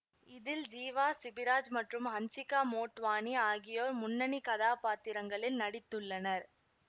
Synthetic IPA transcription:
ɪðɪld͡ʒiːʋaːsɪbɪɾaːd͡ʒmɐʈrɯmɦɐnsɪkaːmoːʈʋaːniaːɣɪjoːɾmʊnːɐnikɐðaːpaːt̪ɪɾɐŋɡɐɭɪlnɐɽɪt̪ːɯɭːɐnɐɾ

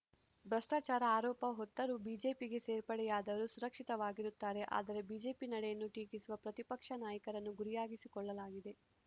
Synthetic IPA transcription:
bɾɐsʈaːt͡ʃaːɾɐaːɾɔːpɐɦɔt̪ːɐɾubiːd͡ʒe̞ːpiɡe̞seːɾpɐɽɛjaːd̪ɐʋɐɾusuɾɐkʂit̪ɐʋaːɡiɾut̪ːaːɾe̞ʔa̰ːd̪ɐɾe̞biːd͡ʒe̞ːpinɐɽɛjɐnːuʈiːkisuʋɐpɾɐt̪ipɐkʂɐnaːjɐkɐɾɐnːuɡuɾijaːɡisikɔɭːɐlaːɡid̪e̞

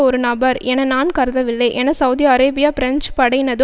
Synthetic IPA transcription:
ɔɾɯnɐbɐɾɛnɐnaːnkɐɾðɐʋɪlːɐɪʔɛnɐsɐʊðijɐɾeːbɪjaːpɪɾɐnt͡ʃpɐɽɐɪnɐðɯ

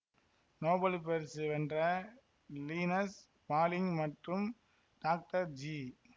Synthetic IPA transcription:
noːbɐlpɛɾsɯʋɛndrɐ | liːnɐs | maːlɪŋmɐʈrɯm | ɖaːk̚ʈɐɾd͡ʒiː

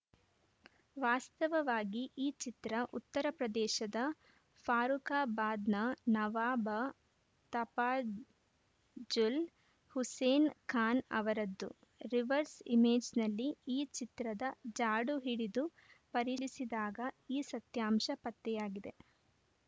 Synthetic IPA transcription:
ʋaːst̪ɐʋɐʋaːɡiʔiːt͡ʃit̪ɾɐʔut̪ːɐɾɐpɾɐd̪ɛːʃɐd̪ɐ | pʰaːɾukaːbaːd̪nɐnɐʋaːbɐ | t̪ɐpaː | d͡ʒul | huseːnkʰaːnɐ̰ʋɐɾɐd̪ːṵ | ɾiʋɐɾsḭmeːd͡ʒnɐlːiiːt͡ʃit̪ɾɐd̪ɐd͡ʒaːɽuɦiɽid̪u | pɐɾisid̪aːɡɐiːsɐt̪jaːmʃɐpɐt̪ːɛjaːɡid̪e̞

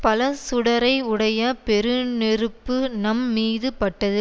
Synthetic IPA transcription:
pɐlɐsʊɽɐɾɐɪʊɽɐjɐpɛɾɯnɛɾɯpːɯnɐmːiːðɯpɐʈːɐðɯ

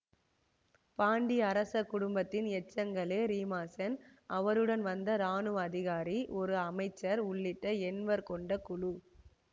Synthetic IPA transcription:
paːɳɖiɐɾɐsɐkːʊɽʊmbɐt̪ːɪnɛt͡ʃːɐŋɡɐɭeːɾiːmaːsɐnɐʋɐɾɯɽɐnʋɐnd̪ɐɾaːnɯɐðɪɣaːɾiʔɔɾɯɐmɐɪt͡ʃːɐɾʊɭːɪʈːɐɛnʋɐɾkɔɳɖɐkʊɻu

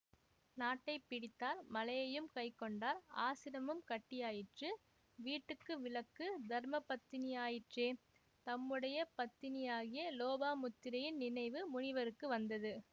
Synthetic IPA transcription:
naːʈːɐɪpɪɽɪt̪ːaːɾmɐlɐjɐjɯmkɐɪkːɔɳɖaːɾa̰ːsɪɾɐmɯmkɐʈːɪjaːjɪʈrɯ | ʋiːʈːɯkːɯʋɪlɐkːɯd̪ɐɾmɐpːɐt̪ːɪnɪjaːjɪʈreː | t̪ɐmːɯɽɐjɐpɐt̪ːɪnɪjaːɣɪjɐloːbaːmʊt̪ːɪɾɐjɪnnɪnɐɪʋɯmʊɳɪʋɐɾɯkːɯʋɐnd̪ɐðɯ

